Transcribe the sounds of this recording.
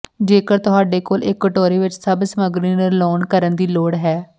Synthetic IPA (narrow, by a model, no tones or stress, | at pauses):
d͡ʒeːkəɾt̪ʊɦaːɖeːkoːlʔɪkːəʈoːɾeːʋɪt͡ʃsəbsəməɡɾiːnəɾloːnkəɾənd̪iːloːɽɦɛː